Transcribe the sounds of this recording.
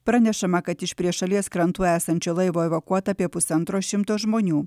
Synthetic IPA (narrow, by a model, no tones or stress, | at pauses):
pɾɐnʲɛʃɐmɐkɐt̪ɪʃpʲɾʲiɛʃɐlʲiɛskɾɐnt̪uːæːsɐnʲt͡ʃʲoːlˠɐɪʋoːɛʋokuɔt̪ɐɐpʲiɛpʊsʲɐnt̪ɾoːʃʲɪmt̪oːʒmoːnʲuː